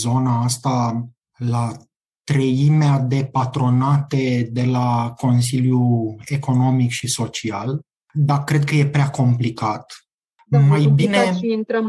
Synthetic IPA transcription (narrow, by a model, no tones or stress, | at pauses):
zo̞naast̪a | la | t̪ɾəimead̪e̞pat̪ɾo̞nat̪e̞d̪e̞lako̞ns̬iljue̞ko̞no̞mikʃiso̞t͡ʃial | d̪akɾe̞d̪̚kəje̞pɾeako̞mplikat̪ | majbinenɾ